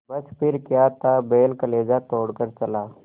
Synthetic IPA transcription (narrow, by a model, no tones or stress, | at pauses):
bɐspɪɾkjat̪abeːlkəleːd͡ʒat̪oːɽkəɾt͡ʃɐla